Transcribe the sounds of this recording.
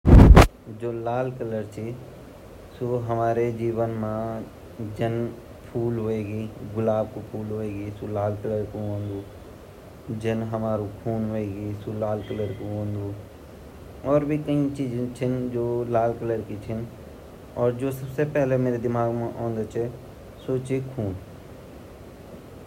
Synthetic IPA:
d͡ʒoːlaːlkələɾt͡ʃʰi | soɦɐmaːɾed͡ʒiːʋənmã | d͡ʒən | pʰuːlɦoeːɡiːɡʊlaːbkopʰuːlɦoeːɡisulaːlkələɾkoɦõːnd̪uː | d͡ʒənɦəmaːɾukʰuːnɦoeːɡisulaːlkələɾkoɦõːnd̪u | ɔːɾbʱikɐĩt͡ʃiːd͡ʒẽt͡ʃʰɪnd͡ʒoːlaːlkələɾkit͡ʃʰɪn | ɔːɾd͡ʒoːsəbsepɛɦlemeːɾed̪ɪmaːɡmẽʔɔ̃ːnd̪et͡ʃʰe | soːt͡ʃekʰuːn

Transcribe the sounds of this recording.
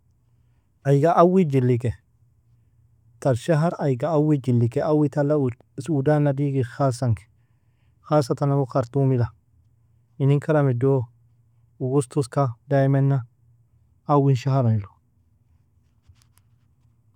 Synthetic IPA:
ajɡaʔawid͡ʒilːik̬ɛ | t̪alʃaɦaɾajɡaːwid͡ʒilːikɛʔawit̪alːau | sudanadiɡixasaŋkɛ̥ | xas̬at̪anawokaɾt̪umila | iniŋkʰaɾamedo | uɡust̪uskadajmɛnːaː | winʃaɦaɾajlo̥

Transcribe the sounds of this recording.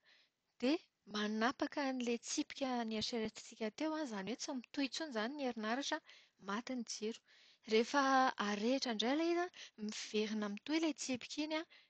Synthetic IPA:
d̪̥e | manapakənilet͡sipi̥kʲəniaʃeɾet͡s̪i̥t͡sikʲat̪ewazaniwet͡samit̪ujt͡sunzanineɾinaɾaʈ͡ʂə | mat̪inid͡zeɾu̥ | refəaɾeʈ͡ʂaɳɖ͡ʐejlaizamiv̥eɾinamit̪uelet͡sipi̥kʲina

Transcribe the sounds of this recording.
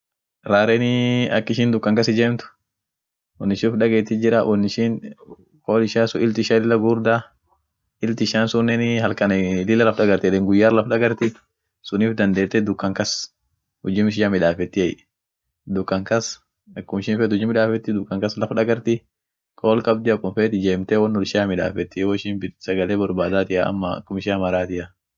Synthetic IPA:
ɾaːɾɛnɪɐkːɪʃɪnd̪ʊkːɐŋkɐsɪd͡ʒeːmt̪ʊ̥ | ʊnːɪʃɪfᶑɐɡeːt̪ːɪd͡ʒɪɾɐʔʊnːɪʃɪn | kʼoːlɪʃaːsʊɪlt̪ɪʃaːɪlɪlːɐɡuːɾd̪a | ɪlt̪ɪʃaːnsʊnːɛnɪɦɐlkɐnɛlɪlːɐlɐfᶑɐɡɐɾt̪ɪᶑ̪ɛŋɡʊjːaːɾlɐfᶑɐɡɐɾt̪ɪ | sʊniːfd̪ɐnd̪eːt̪ːɛd̪ʊkːɐŋkɐs | hʊd͡ʒiːmɪʃ̬ɪʃaːmɪᶑaːfɛt̪ːɪɐj | d̪ʊkːɐŋkɐs | ɐkːʊmɪʃɪnfeːt̪hʊd͡ʒɪmɪᶑaːfɛt̪ːɪd̪ʊkːɐŋkɐslɐfᶑɐɡɐɾt̪ɪ | kʼoːlkʼɐb̚d̪ɪɐkʼːʊmfeːt̪ɪd͡ʒeːmt̪ɛwɐnːɔlɪʃɪaːmɪᶑa̰ːfɛt̪ːɪwɔɪʃɪnbɪsɐɡɐleːbɔɾbaːd̪aːt̪ɪjaɐ̰mːɐɐ̰kːʊmɪʃaːmɐɾaːt̪ɪjɐ

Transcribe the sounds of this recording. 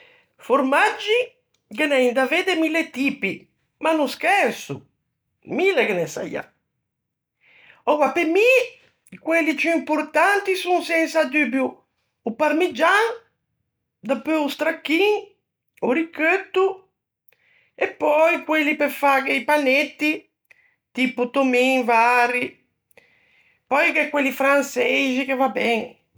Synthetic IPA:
foɾmad͡ʒːi | kenɛjnd̪aved̪emilːet̪iːpi | manuskɛnsṵ | milːekenɛsa̰ja̰ | ɔwwapemi | kwelːipuimpoɾt̪ant̪isunsɛnsad̪ybjuː | paɾmid͡ʒaŋ | d̪apøust̪ɾakːiŋ | uɾikøt̪ːu | epːɔjkwelːipefakeipanet̪ːi | t̪iput̪omiŋvaɾi | pɔjkɛkːwelːifɾansɛʒikevabɛŋ

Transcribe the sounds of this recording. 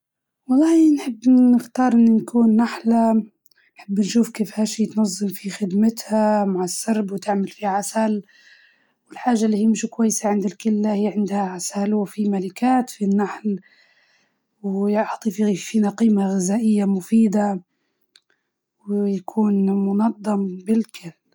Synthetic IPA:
wɑlˤːɑːnħɪbːnɪxt̪ɑːɾˤʔɪnːinkuːnːaħla | nħɪbːnʃuːfkeːfhaːʃiːt̪nɑzˤːɨmfixɪd̪mɪt̪hamaʕɪsːɑɾˤbwt̪ɪʕmalfihaʕasal | wɪlħaːʒːalːiːhijːmɪʃkwajːɪsaʕɪnd̪ɪlkɪlːahɪjːʕɪnd̪haʕasalwfimalɪkaːt̪finːaħl | wjɑʕt̪ˤififiːnaqiːmaɣɪzaːʔɪjːamʊfiːd̪a | wjakʰuːnmʊnɑd̪ˤːɑmbɪlkʰɪlː

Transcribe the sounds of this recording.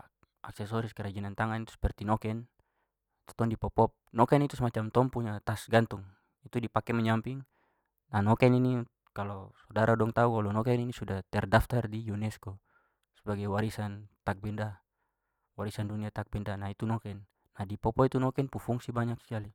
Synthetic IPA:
a̰ksɛsɔɾiskɛɾad͡ʒɛnant̪aŋant̪u̥spɛrt̪inɔkɛn | t̪ɔ̥t̪ɔndipɔpɔp̚nɔkɛnit̪usmat͡ʃamt̪ɔmpuɲat̪asɡant̪uŋ | it̪udipakɛmɛɲampiŋ | nanɔkɛnini | kalɔsɔdaɾadɔŋt̪aukalɔnɔkɛninisudat̪ɛrdaft̪ardijunɛskɔ | sɛbaɡajwaɾisant̪ak̚bɛnda | waɾisanduniat̪ak̚bɛndanait̪unɔkɛnː | adipɔpɔit̪unɔkɛnpufuŋsibaɲak̚si̥kali

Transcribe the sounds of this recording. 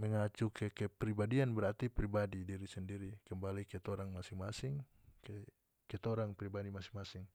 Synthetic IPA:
mɛŋat͡ʃukʰɛkɛpɾibadianbɛɾart̪ipɾibadidiɾisɛndiɾikəmbalikɛt̪ɔɾaŋmasiŋmasiŋ | kɛ | kɛt̪ɔɾaŋpɾibadimasi̥ŋmasɪŋ

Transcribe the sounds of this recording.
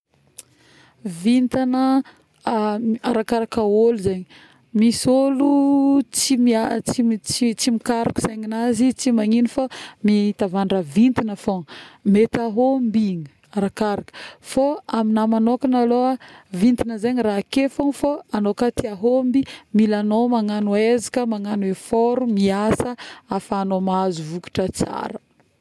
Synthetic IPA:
vint̪anə | aɾakaɾakaoluzaɲi | misolut͡simat͡sit͡sit͡simikaɾiku̥sajɲinazit͡simaŋinifamiit̪avaɳɖ͡ʐavint̪inafoŋmet̪aɦombiɲə | ɾakaɾakfoaminamanokanaloavint̪inəzaɲiɾraːkefoŋfoanokat̪iaɦombimilanomaŋanuezikəmaŋanefoɾumiasəafaːnomazuvuku̥ʈ͡ʂət͡sa̰ɾə

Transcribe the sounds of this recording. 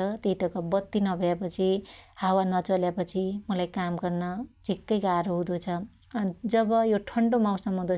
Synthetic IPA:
ʌt̪eiʈ̪ʌkabʌt̪ːinʌbʱʌjapʌt͡sʰihawanʌt͡sʌljapʌt͡sʰimʌlajkamɡʌrnʌd͡zʱikːʌjkaɾoɦũd̪ot͡sʰʌ | d͡zʌbʌjoʈʰʌɳɖomaw̃sʌmːʌɦd̪o

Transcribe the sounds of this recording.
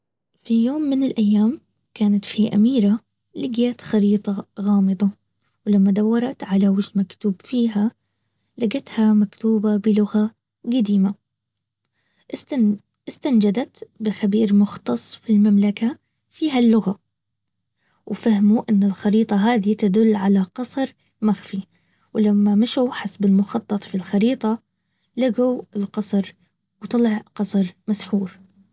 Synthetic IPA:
fijoːmːɪnɪlʔajːaːm | kaːnat̪fiʔa̰miːɾa | lɪɡjat̪xɑɾiːt̪ˤɑɣɑːmɨd̪ˤɑ | wlamːad̪awːɑɾˤɑt̪ʕalawɪʃmakt̪uːbfiːɦa | laɡat̪hamakt̪uːbabɪlʊɣa | ɡad̪iːma | ɪst̪and͡ʒad̪at̪bɪxabiːɾmʊxt̪ɑsˤfilmamlaka | fiːɦalːʊɣa | wfahmuʔɪnːɪlxɑɾiːt̪ˤɑɦaːðit̪ad̪ʊlːʕalaqɑsˤɾ | maxfi | wlamːamaʃuħasbɪlmʊxɑt̪ˤːɑt̪ˤfilxɑɾiːt̪ˤɑ | laɡawɪlqɑsˤɾ | wt̪ˤɑlɪʕqɑsˤɾmasħuːɾ

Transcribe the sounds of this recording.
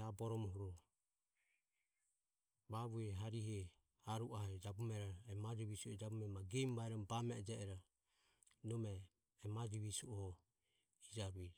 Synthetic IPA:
abɔɾɔmɔɦuɾɔ | βaβuɛɦaɾiɦɛ | aɾuʔahɛd͡ʒabumɛɾaɛmad͡ʒiβisuɔd͡ʒabumɛmaɡɛmβaɛɾɔbamɛɛd͡ʒɛɛɾa | nɔmɛ | mad͡ʒiβisuɔhɔ | id͡ʒaβi

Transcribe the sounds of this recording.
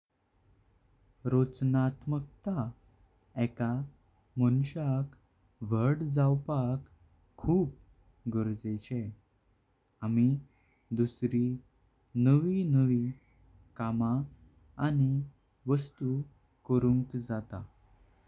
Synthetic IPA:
ɾot͡snat̪mək̚t̪a | ɛka | mənɕak | ʋəɽd͡zawpakʰː | uːp̚ | ɡəɾd͡zet͡ɕe | ami | d̪usɾi | nəʋinəʋi | kamaː | ni | ʋəst̪u | kəɾũŋkd͡zat̪a̰

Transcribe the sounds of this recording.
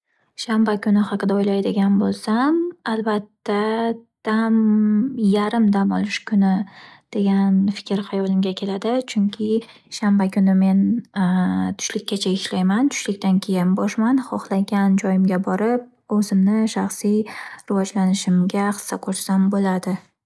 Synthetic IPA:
ʃambakʰʊnɪχɑqɨd̪aojlajd̪ɪɡʲanbolˠsamalbat̪ːad̪̥amjaɾɪmd̪amɒ̰lˠɪʃkʰʊnɪd̪̥e̞ɡʲanfɪ̥kʲɪɾhajɒlɪmɡʲakʲʰe̞lad̪ɪt͡ʃʰʊŋkʲʰɪ | ʃambakʰʲʊnɪme̞n | t̪ʰʊ̥ʃlɪkʲʰːat͡ʃʰaɪʃlajmant̪ʰʊ̥ʃlɪk̚ʲt̪ankʲʰe̞jɪnbɒʃmanχɒχlˠaɡʲand͡ʒɒjɪmɡʲabɒɾɪp̚ | ɵzɪmnɪʃaχsijɾɪvɒd͡ʒlanɪʃɪmɡʲaχɨ̥sːaqʰoɾʃsambolad̪ɪ

